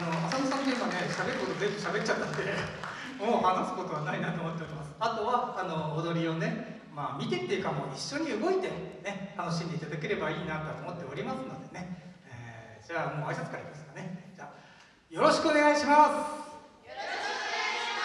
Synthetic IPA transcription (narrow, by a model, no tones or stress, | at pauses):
ano̞asamosãnt̪oimane̞ɕabe̞ɾɯ̟ko̞t̪ozẽ̞mbɯ̟ɕabet̪̚ːt͡ɕat̪ːanod̪e̞ | mo̞ːhanasɨ̥ko̞t̪o̞β̞anainat̪oːmot̪ːe̞oɾʲimasɨ̥at̪o̞βaːno̞ːd̪o̞ɾʲio̞ne̞ | maːmʲit̪e̞t̪ːejɯ̟kamo̞iɕːo̞ɲ̟iɯ̟ɡo̞it̪e̞ne̞t̪ano̞ɕ̬ĩnd̪e̞it̪ad̪ak̬e̞ɾe̞baiːnat̪oat̪oːmo̞t̪ːe̞oɾʲimasɨno̞d̪e̞ne̞eːd͡ʑaːmo̞ːaisat͡sɨ̥kaɾakʲimasɨ̥kane̞d͡ʑaː | jo̞ɾo̞ɕi̥kɯ̟o̞ne̞ɡaiɕimas